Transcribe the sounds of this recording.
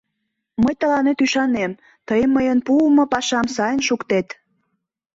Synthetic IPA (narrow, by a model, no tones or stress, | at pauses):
məjt̪əlɑnet̪yʃɑnem | t̪əjəmːəjənpumopɑʃɑmsɑjənʃukt̪et̪